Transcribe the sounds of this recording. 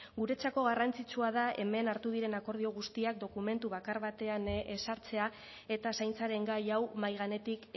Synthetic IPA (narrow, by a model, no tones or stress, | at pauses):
ɡuɾe̞t͡sako̞ɣ̞arant͡sit͡suað̞ae̞me̞naɾt̪uð̞iɾe̞nako̞ɾð̞io̞ɣ̞ust̪iak̚d̪o̞kume̞nt̪uβ̞akaɾβat̪e̞ane̞saɾt͡se̞a | e̞t̪asajnt͡saɾe̞ŋɡajawmajɣ̞ane̞t̪ik